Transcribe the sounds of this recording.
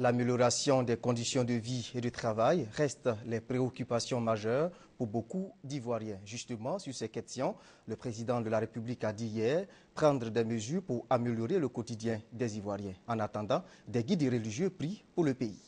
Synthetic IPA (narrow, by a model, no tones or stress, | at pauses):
lameljɔʁasjɔ̃d̪ɛkɔ̃d̪isjɔ̃d̪əvied̪ət̪χavajʁɛst̪lɛpχeokʲypasjɔ̃maʒœːʁ | puʁbokud̪ivwaʁjɛ̃ʒyst̪əmɑ̃syʁsɛkɛst̪jɔ̃ | ləpχezid̪ɑ̃d̪əlaʁepyblikad̪ijɛːʁ | pχɑ̃d̪ʁəd̪ɛməzyːʁpuʁameljɔʁeləkot̪id̪jɛ̃d̪ɛzivwaʁjɛ̃ɑ̃nat̪ɑ̃d̪ɑ̃d̪ɛɡid̪ʁəliʒjøpɾipuʁləpei